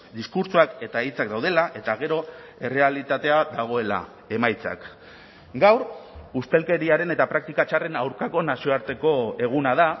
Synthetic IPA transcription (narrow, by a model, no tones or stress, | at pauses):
d̪iskuɾt͡suake̞t̪aeit͡sakd̪awð̞e̞laʔe̞t̪aɣ̞e̞ɾo̞e̞re̞alit̪at̪e̞aðaɣ̞o̞e̞la̰ | e̞majt͡sa̰k | ɡawɾust̪e̞lke̞ɾiaɾe̞ne̞t̪apɾak̚t̪ikat͡ʃare̞nawɾkako̞nasio̞aɾt̪e̞ko̞e̞ɣ̞unaða